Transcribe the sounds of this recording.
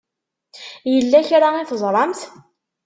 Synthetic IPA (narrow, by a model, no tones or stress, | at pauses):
jəlːæçɾaiθəzˤɾˤɑmθ